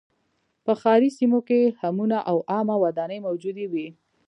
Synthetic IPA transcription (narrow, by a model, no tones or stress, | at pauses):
pəxɑɾisimokehamunaʔawʔɑmawad̪ɑnəjmawd͡ʒud̪ewi